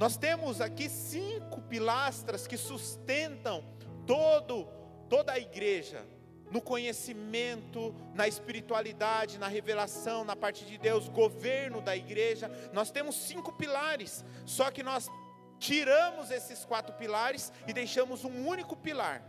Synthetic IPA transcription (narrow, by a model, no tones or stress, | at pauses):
nɔst̪ẽmʊzakisĩkʊpilast̪ɾɐskɪsust̪ẽnt̪ɐ̃w̃ | t̪od̪ʊ | t̪od̪ɐːiɡɾeʒɐ̰ | nʊkõɲesimẽnt̪ʊ | nɐɪspiɾit̪ualid̪ad͡ʒɪnɐɦevelasɐ̃w̃nɐpaɾt͡ʃɪd͡ʒɪd̪ewzɡoveɾnʊd̪ɐiɡɾeʒɐnɔst̪ẽmʊsːĩkʊpilaɾɪsː | ɔkɪnɔs | t͡ʃiɾɐ̃mʊzesɪskwat̪ɾʊpilaɾɪsɪd̪ejʃɐ̃mʊzũũnikʊpila̰ɾ